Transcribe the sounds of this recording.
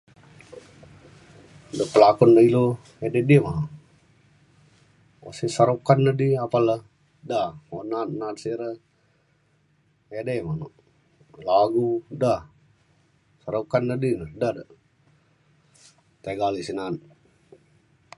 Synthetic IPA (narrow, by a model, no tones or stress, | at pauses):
dəpəlakɔndailo | edediəmano | a̰sisaɾokanːədiapaləh | daonat̪̚nat̪siɾə | edemanoʔ | laɡuda | saɾokanːədinədadə | t̪eɡalisinat̪